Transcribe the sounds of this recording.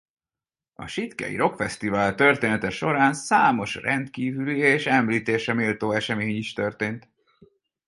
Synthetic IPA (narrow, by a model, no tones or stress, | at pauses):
ɒ̰ʃit̪kɛ̰jḭɾo̞kfɛst̪ivaːlt̪ø̞rt̪eːnɛt̪ɛʃo̞ɾaːnsaːmo̞ʃrɛnt̪kiːvylieːʃɛmliːt̪eːʃɛmiːlt̪oːɛʃɛmeːɲiʃt̪ø̞rt̪eːnt̪